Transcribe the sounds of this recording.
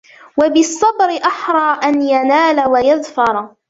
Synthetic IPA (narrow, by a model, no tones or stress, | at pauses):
wabɪsˤːɑbɾɪʔaħɾˤɑːʔanjanaːlawajaðfɑɾˤ